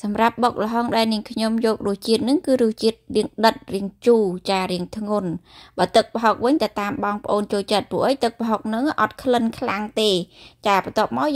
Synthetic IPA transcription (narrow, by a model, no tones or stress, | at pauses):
sɑmrap̚ɓoːk̚ləɦɑŋɗaɛlniəŋkʰɲomjɔːk̚ruəht͡ɕiət̪̚nɨŋkɨːɾuəht͡ɕiət̪̚riəŋɗət̪̚riəŋt͡ɕuːt͡ɕaːɾiəŋt̪ʰŋunɓaːt̪ɨk̚pəɦok̚ʋɨɲt̪at̪aːmɓɑŋpə̆ʔoːnt͡ɕoːlt͡ɕət̪̚pŭəʔəjt̪ɨk̚pɦok̚nɨŋʔɑt̪̚kʰlənkʰlaŋt̪eːt͡ɕaːpɑt̪ŏəp̚maɔ